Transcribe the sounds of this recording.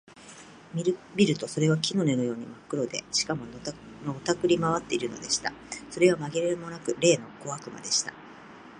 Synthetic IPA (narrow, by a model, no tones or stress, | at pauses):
mʲiɾbʲiɾɯ̟t̪o̞so̞ɾe̞βakʲino̞ne̞nojo̞ːɲ̟imakːɯ̟ɾo̞d̪e̞̰ɕi̥kamo̞n | not̪akɯ̟ɾʲimaβat̪ːe̞iɾɯ̟no̞̰d̪e̞ɕi̥t̪aso̞ɾe̞βamaɡeɾeɾɯmo̞nakɯ̟ɾe̞ːno̞ko̞βakɯ̟ma̰d̪e̞ɕi̥t̪a